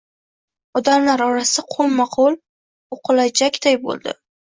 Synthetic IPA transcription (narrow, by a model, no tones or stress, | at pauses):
ɒd̪amlaɾɒɾasaqʰolmaqʰolˠ | oqʰʊlajd͡ʒʰakʲʰt̪ajbo̰lˠd̪ɪ̰